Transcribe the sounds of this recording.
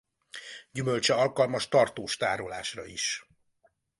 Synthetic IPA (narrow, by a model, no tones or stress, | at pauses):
ɟymølt͡ʃɛɒlkɒlmɒʃt̪ɒrt̪oːʃt̪aːɾolaːʃrɒ̰iʃ